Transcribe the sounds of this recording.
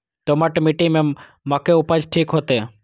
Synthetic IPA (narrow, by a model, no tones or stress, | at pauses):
t̪oməʈmiʈimẽ | məkeʊpəd͡ʒʈʰiːkɦoːt̪eː